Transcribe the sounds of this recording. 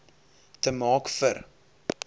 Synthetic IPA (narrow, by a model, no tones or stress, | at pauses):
təmɑːkfər